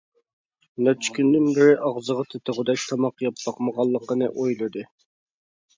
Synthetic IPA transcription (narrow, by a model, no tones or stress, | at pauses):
nɛt͡ʃʰːkʲʰynd̪ɪnbɪɾɪʔɑʁzəʁɑt̪ʰɪt̪ɪʁʊd̪ɛʃt̪ʰɑmɑqjɑpːɑqməʁɑlˠːəqənɨʔojlˠɨd̪ɨ